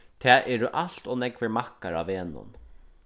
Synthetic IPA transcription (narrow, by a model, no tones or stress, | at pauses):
t̪ʰɛːʔɛːɾʊʔaɬt̪ɔːnɛkʋɛɾmakaɾa̰ːeːnʊ̰n